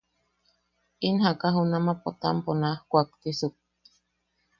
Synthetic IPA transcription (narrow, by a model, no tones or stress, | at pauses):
inɦakaɦunamapot̪a̰mponahkʷakt̪isuk̚